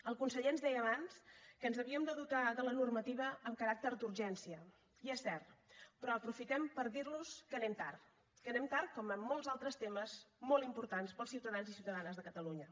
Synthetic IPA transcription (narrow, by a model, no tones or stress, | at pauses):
əlˠkunsəʎeənzðɛjəβ̞anskənzəβiəmd̪əðut̪aðələnurmət̪iβ̞əːmkəɾak̚t̪əɾd̪uɾʒɛnsiə | iɛsːɛrt̪pɾɔəpɾufit̪ɛmpəɾðiɾnuskənɛmt̪ar | kənɛmt̪aɾkɔməmːɔlˠzalˠt̪ɾəst̪eməzmɔlimpuɾt̪anspəlˠsiwt̪əðanzisiwt̪əðanəzðəkət̪əluɲə